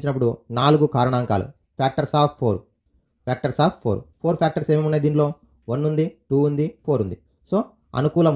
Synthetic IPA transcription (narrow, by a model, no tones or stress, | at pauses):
ɲt͡ʃinɐpːuɽunaːluɡukaːɾɐɳaːŋka̰ːlṵ | pʰaːk̚ʈɐɾsaːppʰːoːɾ | pʰʲaːk̚ʈɐɾsaːpʰːoːɾpʰoːɾpʰjaːk̚ʈɐɾse̞ːmimunːaːjd̪iːnlo̞ː | ʋɐnːund̪iʈuːund̪ipʰoːɾund̪i | so̞ː | ɐ̰nukuːlɐm